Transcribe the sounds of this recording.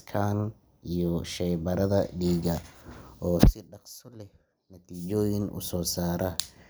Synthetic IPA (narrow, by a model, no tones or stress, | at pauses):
kʰan | ʔijɔʃɛjbɐɾɐðɐɖiːɣɐʔɔːsɪɖɑqsʊlɛh | nɐt̪ʰiːt͡ʃɔːjɪnʔʊ̰sɔːsaːɾɐ